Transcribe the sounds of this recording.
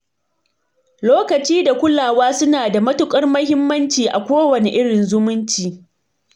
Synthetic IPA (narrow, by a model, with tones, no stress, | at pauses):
loː˦kɐ˨t͡ʃiː˦da˨kʷʊ˦laː˨waː˦sʊ˦naː˨da˨mɐ˦tʊ˦kʼɐ˦rmɐ˦hɪ˦mːɐ˦nt͡ʃiː˨ʔa˨kʷoː˦wɐ˨ne˨ʔɪ˦ɽɪ˨nzʊ˦mʊ˦nt͡ʃiː˨